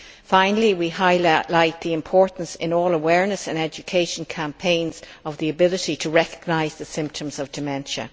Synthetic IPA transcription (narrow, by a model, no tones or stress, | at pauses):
fãɪ̃nəl̩ˠiwiɦaɪlaɪt̪̚ðiɪ̃mpʰɔɹʔn̩sɪ̰̃nɔːləwɛɹnəsə̃nɛd͡ʒɨkʰeɪʃə̃n̩kʰæ̃mpʰẽɪ̃nzʌvðiəbɪlɪɾitʰəɹɛkəɡ̥̚naɪzðəsɪ̃mp̚tʰə̃mzʌvdɨmɛ̃nʃə̰̃